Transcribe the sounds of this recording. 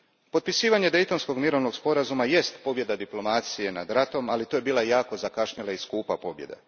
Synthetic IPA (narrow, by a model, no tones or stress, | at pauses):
pot̪pisiːʋaɲe̞d̪e̞jt̪o̞nsko̞ɡmiɾo̞ʋno̞ɡspo̞ɾazumaje̞st̪po̞bje̞d̪ad̪iplo̞maːt̪sije̞nad̪ɾat̪o̞malit̪oje̞biːlˠajaːko̞zakaʃɲilaiskuːpapo̞bje̞̰d̪e